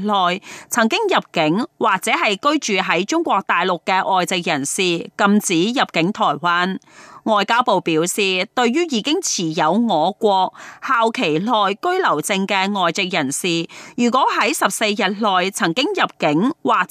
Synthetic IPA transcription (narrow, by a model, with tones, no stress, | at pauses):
lɔː˨jt͡sʰɐ˨˩ŋkɪ˥ŋjɐ˨p̚kɪ˨˥ŋwaː˨˩k̚t͡sɛː˨˥ɦɐ˨jkɵ˥ɥt͡ʃyː˨ɦɐ˨˥jt͡ʃʊ˥ŋkʷɔː˧k̚t̪aː˨˩jlʊ˨kkːɛː˧ʔɔː˨jt͡sɪ˨k̚jɐ˨˩nsiː˨kɐ˧mt͡siː˨˥jɐ˨˩p̚kɪ˨˥ŋt̪ʰɔː˨˩jwaː˥nŋɔː˨jkaː˥wpo˨˧wpiː˨˥wsiː˨t̪ɵ˧ɥɥyː˥jiː˨˧kɪ˥ŋt͡sʰiː˨˩jɐ˨˧wŋɔː˨˧kʷɔː˧k̚haː˨wkʰe˨˩jlɔː˨jkɵ˥ɥlɐ˨˩wt͡sɪ˧ŋkɛː˧ŋɔː˨jt͡sɪ˨k̚jɐ˨˩nsiː˨˩jyː˨˩kʷɔː˨˥ɦɐ˨˥jsɐ˨p̚se˧jːɐ˨t̚lɔː˨jt͡sʰɐ˨˩ŋkɪ˥ŋjɐ˨p̚kɪ˨˥ŋwaː˨k̚